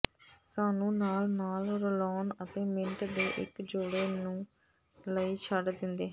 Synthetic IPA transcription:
saːnũːnaːlnaːlɾəlɔːnət̪ẽːmɪɳʈd̪eːʔɪ̰kd͡ʒoːɽeːnũː | ləiːt͡ʃʰəɖd̪ɪnd̪eːɦ

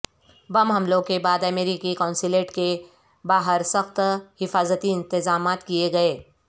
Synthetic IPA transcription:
bɐmɦɐmloːɡ̚kebaːd̪ɐmeːɾiːkikaʊ̃nsɪleːʈke | baːɦəɾsɐxt̪hɪfaːzət̪iɪ̃nt̪ɪzaːmaːt̪kijeɡɐeː

